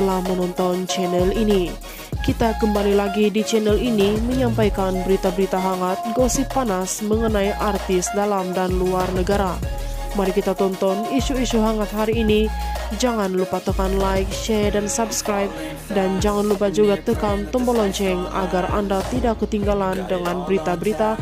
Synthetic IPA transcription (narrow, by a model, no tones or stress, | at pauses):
t̪əlahmənɔnt̪ɔnt͡ʃɛnɛlini | kit̪akəmbalilaɡidit͡ʃɛnɛliniməɲampajkanbəɾit̪abəɾit̪aɦaŋat̪̚ɡɔsipanasməŋənaiʔart̪ɪsdalamdanluarnəɡaɾa | maɾikit̪at̪ɔnt̪ɔniʃuiʃuɦaŋat̪̚ɦaɾiːnid͡ʒaŋanlupat̪əkanlaɪk̚ʃɛdansabskɾajp̚ | dand͡ʒaŋanlupahd͡ʒuɡat̪əkant̪ɔmbɔlɔɲt͡ʃɛŋa̰ɡara̰ndat̪idakːət̪iŋɡalandəŋanbəɾit̪abəɾit̪a